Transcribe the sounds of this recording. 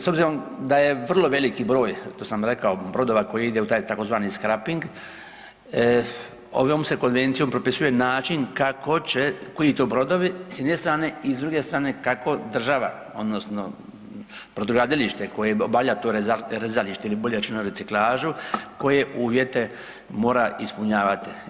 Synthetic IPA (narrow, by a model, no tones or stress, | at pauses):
sobziɾo̞md̪aje̞ʋr̩lo̞ʋe̞likibɾo̞ːjt̪osamɾekaobɾo̞d̪o̞ːʋako̞jiid̪eut̪aːjt̪ako̞zʋaːniskɾapiŋɡ | o̰ʋoːmse̞ko̞nʋe̞nt̪sijo̞mpɾopisuje̞naːt͡ʃiŋkako̞t͡ɕekojit̪obɾo̞d̪oʋisjed̪nest̪ɾaːne̞izd̪ɾuɡe̞st̪ɾaːne̞kako̞d̪r̩ʒaʋa̰ | o̞d̪nosno | pɾod̪ɾuɡad̪iliʃt̪eko̞jeobaʋʎat̪oɾɾezaliʃt̪eiliboʎeɾt͡ʃinoɾet̪siklˠaːʒuko̞je̞ʔuːʋjet̪e̞ | mo̞ːɾaʔispuɲaːʋat̪i̥